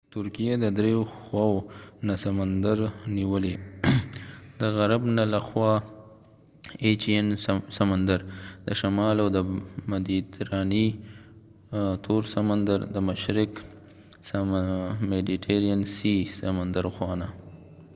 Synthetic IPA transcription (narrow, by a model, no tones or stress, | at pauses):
t̪ʊɾkijed̪əd̪ɾejoxwɑwonasamand̪aɾniwəle | d̪əɣaɾabnalaxwɑ | et͡ʃiensamand̪aɾd̪̥əʃamɑlawd̪əmad̪it̪ɾɑni | t̪ʰoɾsamand̪aɾd̪əmaʃɾɪk | s | mediʈʰeɾiansisamand̪aɾxwɑna